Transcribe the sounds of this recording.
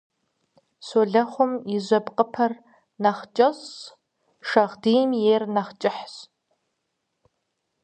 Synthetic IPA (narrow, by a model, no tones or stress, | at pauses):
soːɮɐχʷʊmɪzʷɐbqʼəpʰɐr | nɐχt͡ʃʼɐs | ʂɐʁdiːjmjeːrnɐχt͡ʃʼɪħs